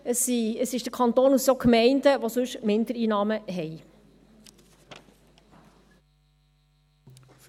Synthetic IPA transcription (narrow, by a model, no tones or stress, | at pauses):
əsiəsɪʃd̥əkʰɑnt̪oːnussokmɛɪndəʋosɵʃmɪndəɾiːnɑːməɦɛj